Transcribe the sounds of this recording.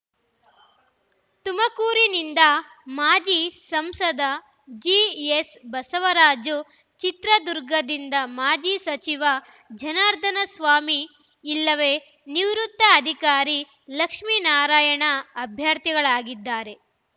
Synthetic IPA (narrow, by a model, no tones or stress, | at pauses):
t̪umɐkuːɾinind̪ɐ | maːd͡ʒisɐmsɐd̪ɐ | d͡ʒiesbɐsɐʋɐɾaːd͡ʒu | t͡ʃit̪ɾɐd̪uɾɡɐd̪ind̪ɐmaːd͡ʒiːsɐt͡ʃiʋɐ | d͡ʒɐnaːɾt̪ʰɐnɐsʋaːmiː | lːɐʋe | niʋɾut̪ːɐːd̪ʱikaːɾi | lɐkʂminaːɾaːjɐɳɐːbʱjaːɾt̪iɡɐɭaːɡid̪ːaːɾe̞